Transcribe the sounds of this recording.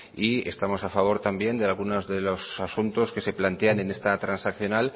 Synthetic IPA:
ie̞̰st̪amo̞safaβ̞o̞ɾt̪ambje̞nd̪e̞alɣ̞unozðe̞lo̞sasunt̪o̞ske̞se̞plant̪e̞ane̞ne̞st̪at̪ɾansakθjo̞nal

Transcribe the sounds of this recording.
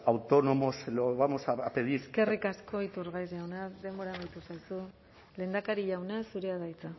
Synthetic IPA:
awt̪ono̞moseloβamo̞saapeðiɾke̞rikasko̞it̪uɾɣajzʝawnaðe̞mbo̞ɾamajt̪usajsu | le̞ːnd̪akaɾiʎawnasuɾeaðajt͡sa

